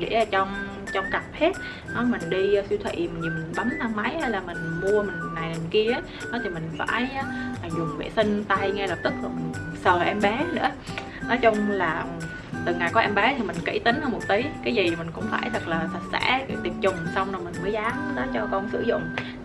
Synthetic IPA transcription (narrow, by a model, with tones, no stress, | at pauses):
ɗḭ˧˥˨t͡ɕɔ˧wŋ͡m | t͡ɕɔ˧wŋ͡mka˨˩p̚he˦˥t̚ | nɔ˨˦mï˨˩ŋ̟ɗi˧swi˧t̪ʰwḭ˧˨m˨˩ɲi˨˩mi˨˩nɓa˨˦mnaː˧mma˨˦jha˧jlaː˨˩mï˨˩ŋ̟mu˧əmï˨˩ŋ˨naː˨˩jmï˨˩ŋki˧əʔə˨˦j | nɔ˨˦t̪ʰi˨˩mï˨˩ŋ̟va̰ː˧˩ja˨˦aː˨˩zʊ˨˩ŋ͡mvḛ˧˩si˧ŋ̟t̪a˧jŋɛ˧lə˨˩p̚t̪ɨ˨˦˥k̚la˨˩mi˨˩ŋ̟səː˨˩˨ʔɛ˧mɓaɛ˨˦nɨ̰˧˥ə | nɔ˨˦jt͡ɕʊ˧ŋ͡mlaː˨˩˨ | t̪ɨ˨˩ŋa˨˩jkɔ˨˦ʔɛ˧mɓɛː˨˦t̪ʰi˨˩mï˨˩ŋ̟kḭ˧˥t̪ï˨˦ŋ̟hə˧nmo˨˩t̚t̪i˨˦jkaː˨˦jzi˨˩mï˨˩ŋ̟kʊ̰˧˥ŋ͡mfaː˧˩jt̪ʰə˨˩k̚laː˨˩sə˨˩t̚sɛ̰˧˥ki˧˩˥t̪i˨˩ət̚t͡ɕʊ˨˩ŋ͡msa˧wŋ͡mnɔ˨˩mï˨˩ŋ̟məː˨˦jzaː˨˦m˨˦ɗɔ˨˦t͡ɕɔ˧kɔ˧nsɨ̰˧˩zʊ̰˧˨ŋ͡m